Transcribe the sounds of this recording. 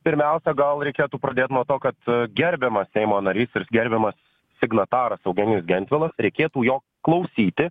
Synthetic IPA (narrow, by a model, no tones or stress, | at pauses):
pʲɪɾʲmʲɛˑʊsʲɛɡɐlˠɾʲɛɪkʲeːt̪uːpɾɐd̪ʲeːt̪ʲnuɔt̪oːkɐt̪ɡʲɛɾʲbʲɛmɐssʲɛɪmoːnɐɾʲiːsɪɾɡʲɛɾʲbʲɛmɐs | sʲɪɡnɐt̪ɑːɾɐsɐʊɡʲɛnʲɪsɡʲɛnʲt̪ʲʋʲɛlˠɐsɾʲɛɪkʲeːt̪uːjoː | klˠɐʊsʲiːt̪ʲɪ